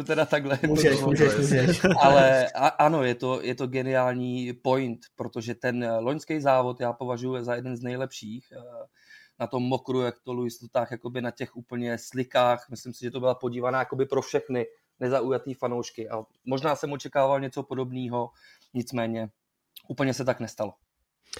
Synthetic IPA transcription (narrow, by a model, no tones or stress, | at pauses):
ut̪ɛdat̪aɡɦlɛuʒɛʒɛʃuʒɛalɛaʔano̞jɛt̪o̞jʔɛt̪o̞ɡɛnɪaːlɲiːpo̞jnt̪pɾot̪oʒɛt̪ɛnlo̞ɲskɛjzaːvo̞t̪jaːpo̞vaʒujuzajɛdɛnznɛjlɛpʃiːx | nat̪o̞mːo̞kɾujakt̪olujɪslot̪aːxjako̞bɪnacɛxʔuːpl̩ɲɛslɪkaːxmɪslɪmsɪʒɛt̪o̞bɪlapo̞ɟiːvanaːjako̞bɪpɾo̞fʃɛxnɪ | nɛzaujat̪iːfanowʃkɪʔa | mo̞ʒnaːsɛmot͡ʃɛkaːvalɲɛt͡so̞po̞do̞bniːɦo̞ | ɲɪt͡smɛːɲɛ | ʔuːpl̩ɲɛsɛt̪aknɛst̪alo̞